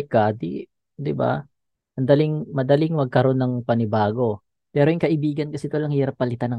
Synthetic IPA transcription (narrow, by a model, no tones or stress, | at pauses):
kad̪ḭ | d̪ɪba̰ | ʔɐnd̪ɐliŋmɐd̪ɐlɪŋmɐɡ̚kɐɾo̞nːɐŋpɐnɪbaːɡo̞ | pɛːɾojʊŋkɐʔɪbiːɡɐnkɐsit̪olɐŋhiːɾɐp̚ːɐlɪt̪anɐ